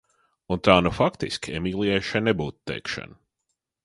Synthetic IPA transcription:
unt̪aːnufakt̪iskʲɛmiːlˠiɛjʃajnɛbuːt̪t̪ːɛ̰jkʃa̰n

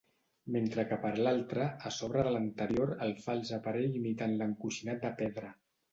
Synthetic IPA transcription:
ment̪ɾəkəpəɾlalˠt̪ɾəəsɔβ̞ɾəðələnt̪əɾjoɾəlˠfalˠzəpəɾɛʎimit̪anləŋkuʃinat̪̚d̪əpɛðɾə

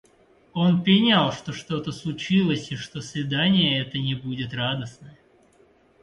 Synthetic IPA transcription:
o̞npɾʲɪnʲalˠʂt̪o̞ʂt̪o̞t̪əslˠʊt͡ɕilˠəsʲiʂt̪o̞svʲɪd̪anʲɪjəɛt̪ənʲɪbudʲɪt̪rad̪əsnə

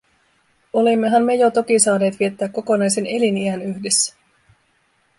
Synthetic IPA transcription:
o̞limːe̞ɦæmːe̞jo̞t̪o̞k̟isɑːne̞ːt̪ʋie̞t̪ːæːkːo̞ko̞nɑjse̞ne̞liniænyçde̞sːæ̥

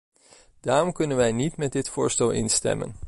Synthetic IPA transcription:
d̥aːrɔmkɵnənʋɛjnitmɛd̚ɪtfʊːɹstɛlˠʔɪ̰nstɛ̰mə̰n

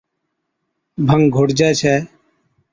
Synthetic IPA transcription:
bʱəŋɡʱoɽd͡ʒɛːt͡ʃʰɛː

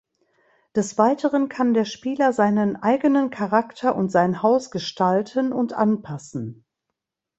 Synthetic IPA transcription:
d̥ɛsv̥aɪtʰəʁənkʰandeːɐʃpiːlɐzaɪnənʔaɪɡənənkʰaʁaktʰɐʔʊntz̥aɪnhaʊsɡ̥əʃtaltʰənʊntʔanpʰasn̩

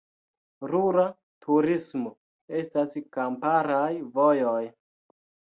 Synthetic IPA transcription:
ɾuɾa | tʰuɾismo | e̞staskampaɾajvo̞joj

